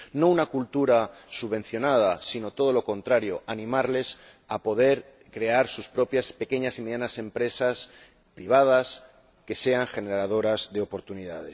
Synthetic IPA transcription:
no̞unakult̪uɾasuβẽ̞n̟θjo̞nað̞asino̞t̪o̞ð̞o̞lo̞kõ̞nt̪ɾaɾjo̞ʔanĩmaɾle̞s | apo̞ðe̞ɾ | kɾe̞aɾsuspɾo̞pjaspe̞ke̞ɲasime̞ðjanase̞mpɾe̞sas | pɾiβ̞að̞as | ke̞se̞aŋxe̞neɾað̞o̞ɾazðe̞o̞po̞ɾt̪uniða̰ð̞e̞s

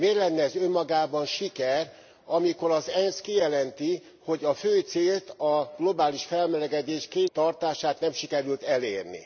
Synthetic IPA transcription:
meːrlɛnːɛːzømːɒɡaːbɒnʃikɛr | ɒmikoɾɒzɛnskijɛlɛnt̪i | ho̞ɟɒføːjt̪seːlt̪ɒɡ̥lo̞baːliʃfɛlmɛlɛɡɛd̪eːʃkeːt̪ːɒrt̪aːʃaːt̪nɛmʃikɛɾylt̪ɛleːrnḭ

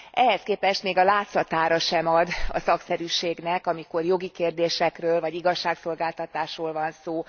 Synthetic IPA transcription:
ʔɛɦɛskeːpɛʃt̪meːɡɒlaːt̪sɒt̪aːɾɒʃɛmɒd̪ɒ̰sɒksɛɾyʃeːɡnɛkɒmiko̞rjo̞ɡikeːrd̪eːʃɛkrøːlvɒɟiɡɒʃːaːkso̞lɡaːlt̪ɒt̪aːʃroːlvɒnsoː

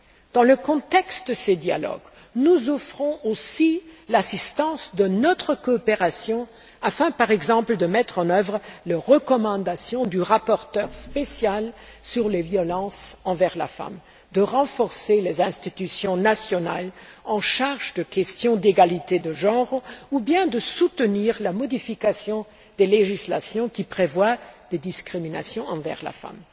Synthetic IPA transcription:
d̪̥ɑ̃ləkɔ̃t̪ɛkst̪̚d̪əsed̪ja̰lɔ̰ɡ | nuzɔfχɔ̃ʔosilasist̪ɑ̃sd̪ənɔt̪χəkɔːpeʁasjɔ̃ | afɛ̃paʁɛɡzɑ̃pləd̪əmɛt̪χɑ̃nœvʁələʁəkɔmɑ̃d̪asjɔ̃d̪yʁapɔʁt̪œʁspesjalsyʁlevjɔlɑ̃sɑ̃vɛʁla̰fa̰m | d̪əʁɑ̃fɔʁselezɛ̃st̪it̪ysjɔ̃nasjɔna̰lɑ̃ʃaʁʒd̪əkʲɛst̪jɔ̃d̪eɡalit̪ed̪əʒɑ̃ʁubjɛ̃d̪əsut̪əniːʁlamɔd̪ifikasjɔ̃ | d̪̥eleʒisla̰sjɔ̃kʲipχevwad̪̥ed̪iskχimina̰sjɔ̃ɑ̃vɛ̰ʁla̰fa̰m

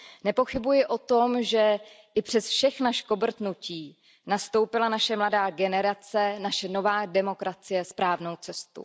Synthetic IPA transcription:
nɛpo̞xɪbujɪʔo̞t̪omʒɛ | ʔɪpr̝̥ɛsfʃɛxnaʃkobr̩t̪nuciː | nast̪o̞wpɪlanaʃɛmladaːɡɛnɛɾat͡sɛnaʃɛno̞vaːdɛmo̞kɾat͡sɪjɛspɾaːvno̞wt͡sɛst̪ṵ

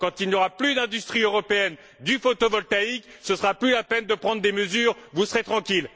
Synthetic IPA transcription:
kɑ̃t̪ilnjɔʁaplyd̪ɛ̃d̪yst̪χiøʁɔpeɛn | d̪yfot̪ovɔlt̪aiksəsʁaplylapɛnd̪əpχɑ̃d̪ʁd̪eməzyːʁvusəʁet̪χɑ̃kʲil

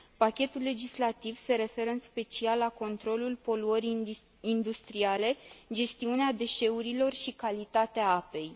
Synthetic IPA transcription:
pakʲe̞t̪ulːe̞d͡ʒislat̪ivse̞ɾe̞fe̞ɾəɨnspe̞t͡ʃialːako̞nt̪ɾo̞lulpo̞luəɾi | ind̪ust̪ɾiale̞d͡ʒe̞st̪iunead̪e̞ʃe̞uɾilo̞rʃikalit̪at̪eaape̞j

